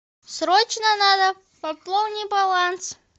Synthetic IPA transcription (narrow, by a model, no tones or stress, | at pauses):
sɾot͡ɕnənad̪ə | pɐplˠownʲɪbɐlˠans